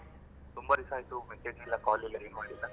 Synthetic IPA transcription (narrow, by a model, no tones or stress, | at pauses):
t̪umbɐɾisaːjt̪umɛseːd͡ʒilːɐkaːlilːɐenmaːɽilːɐ